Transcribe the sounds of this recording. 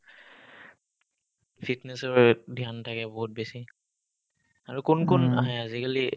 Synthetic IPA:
pʰitnɛsɔɹdʱiantʰakɛbɔɦut̚besi | aɹukʊnkʊna̰ɦaazikali

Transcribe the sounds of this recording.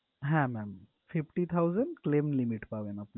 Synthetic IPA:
ɦɛ̃mɛm | fifʈit̪ʰawzəɳɖklemlimiʈpaʋenapn

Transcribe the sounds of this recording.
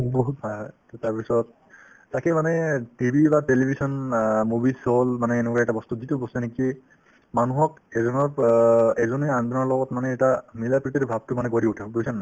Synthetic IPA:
bɔɦut̚bʱalttaɹpisɔt̚ː | akɛmanɛtibʱibatelibʱisɔnmubisolmanɛːnɛkɔaɛtabɔst̪uzitubɔstɔniki | manuɦɔk | ɛzɔnɔɹɛzɔneandɔnɔɹlɔɡɔtmanɛːtamilapɹit̪iɾbʱab̚tʊmanɛkoɾiutʰipoɹisanːa

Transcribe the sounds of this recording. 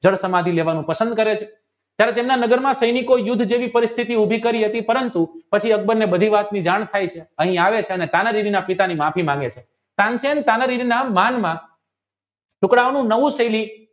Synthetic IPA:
d͡ʒəɽsəmad̪ʱileʋanũpəsənd̪̚kəɾet͡ʃʰe | t̪jaɾet̪emnanəɡəɾmãsəjnikojʊd̪ʱːd͡ʒeʋipəɾist̪ʰit̪iubʱikəɾiɦət̪ipəɾənt̪upət͡ʃʰiək̚bəɾnebəd̪ʱiʋat̪nid͡ʒaɳ̃t̪ʰajt͡ʃʰeəɦĩaʋet͡ʃʰeənet̪anəɾiɾinapit̪animapʰimãŋɡet͡ʃʰe | t̪ãnsent̪anəɾiɾinamanmã | ʈʊkɽaʋnũnəʋũsəjli

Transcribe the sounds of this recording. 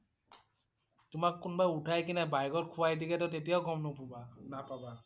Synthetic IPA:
tʊmakːunbajutʰajkinɛbajɡɔtkʰuwajdiɡɛt̬ɔtet̬ijawɡɔmnopubanapaba

